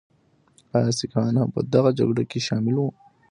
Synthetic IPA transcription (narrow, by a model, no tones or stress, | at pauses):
ɑsikɑnapəd̪aɣad͡ʒa̰ɡɽakeʃɑmɪlwu